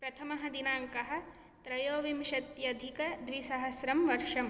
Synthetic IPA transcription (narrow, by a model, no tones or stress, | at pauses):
pɾɐt̪ʰɐmɐɦɐd̪inaːŋkɐɦɐ̆ | t̪ɾɐjoːʋimʃɐt̪jɐd̪ʱikɐd̪ʋisɐɦɐsɾɐmʋɐɾʂɐm